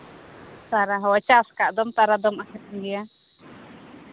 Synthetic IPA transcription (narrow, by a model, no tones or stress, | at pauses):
saɾaɦɔat͡ʃaskaʔd̪ɔmt̪aɾad̪ɔmakʰɛt̪̚ɡɛja